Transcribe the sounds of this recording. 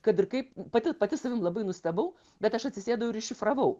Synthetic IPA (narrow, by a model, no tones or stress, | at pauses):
kɐt̪ɪrkɐɪppɐt̪ʲɪpɐt̪ʲɪsɐʋʲɪmlˠɐbɐɪnʊsʲt̪ʲɐbɐʊ | bʲɛt̪ɐʃɐt̪ʲsʲɪsʲeːd̪ɐʋoʊɪɾɪʃʲɪfrɐʋɐʊ